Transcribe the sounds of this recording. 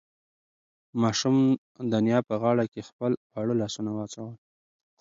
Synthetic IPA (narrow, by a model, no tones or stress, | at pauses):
mɑʃum | d̪anjɑpəɣɑɽakexpəlpaɽəlɑsunawɑt͡sawəl